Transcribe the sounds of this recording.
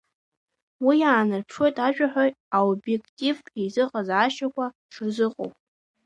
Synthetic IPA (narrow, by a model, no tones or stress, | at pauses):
wijaːnɨrpʰʂwo̞jtʼaʒᶣaħʷᶣaj | aobje̞kʰʼtʼivizɨqʼazaːʃakʷʰa | ʈ͡ʂʰrzɨqʼo̰wpʼ